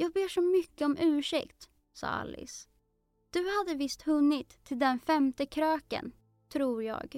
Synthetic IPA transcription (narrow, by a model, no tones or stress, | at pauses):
jɑːɡ̚beːʂɔmʏkːəɔmʔʉ̟ːʂɛ̰kt̪ | sɑ̰ːa̰lːɪ̰s | d̪̥ɵhad̪ːəvɪst̪hɵnːɪt̪ʰːɪld̪ɛnfɛmt̪əkʰɾøːkə̰n | t̪ʰɾuːɾjɑ̰ːɡ